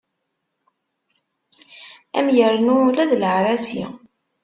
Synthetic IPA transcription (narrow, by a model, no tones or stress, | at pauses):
æ̰mjəɾnulæðlʕɾæsḭ